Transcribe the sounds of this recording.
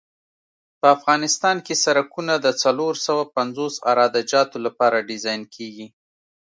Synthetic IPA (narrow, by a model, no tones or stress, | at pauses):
pəafɣɑnɪst̪ɑnkesaɾakunad̪ət͡saloɾsawapanzosa̰ɾɑd̪ad͡ʒɑt̪olapɑɾaɖɪzɑjnkʰeɡi